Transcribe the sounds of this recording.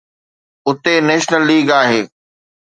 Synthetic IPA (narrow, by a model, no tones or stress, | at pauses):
ʊt̪eneːʃnəlːiːɡaːɦeː